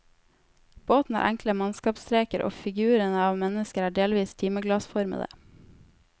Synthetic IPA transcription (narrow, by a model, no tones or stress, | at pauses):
b̥oːt̪n̩æ̰ːɾʔæŋkləmɑnskɑːpst̪ɾeːkəɾʔo̰ːfɪɡʉːɾənəɑːʋmɛnəskəɾæːɖeːlʋiːst̪ʰiːməɡlɑsfɔɾmə̰d̪ə̰